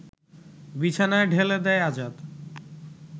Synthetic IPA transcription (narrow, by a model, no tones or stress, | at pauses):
bit͡ɕʰanaeɖʱeled̪ɛead͡ʑad̪